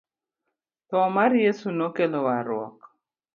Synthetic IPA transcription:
t̪ɔmarjesunokelowaɾʊɔ̰k

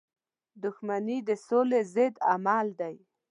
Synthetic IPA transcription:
d̪ʊxmanid̪əsolezɪd̪amald̪aj

